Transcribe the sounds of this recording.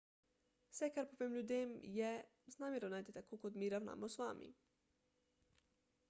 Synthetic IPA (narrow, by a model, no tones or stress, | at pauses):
sɛkaɾpovemlʲud̪emjɛ | znaːmʲeɾonajt̪it̪akokod̪miɾawna̰mosʋamʔḭ